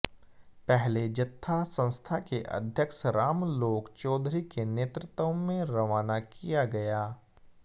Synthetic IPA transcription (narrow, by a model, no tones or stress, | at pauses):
pɛɦled͡ʒɐt̪ʰːasɐ̃nst̪ʰakeʔɐ̰d̪ʱjəkʃɾaːmloːkt͡ʃɔːd̪ʱɾikeneːt̪ɾɪt̪õmẽɾɐʋaːnakijaɡɐjaː